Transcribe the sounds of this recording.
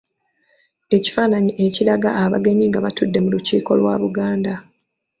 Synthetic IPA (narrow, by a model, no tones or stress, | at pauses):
e̞ci̥faːnaɲiʔe̞ciɾaɡaʔaβa̰ɡe̞ɲiːŋɡaβatudːe̞muluciːko̞lwa̰ːβuɡaːnda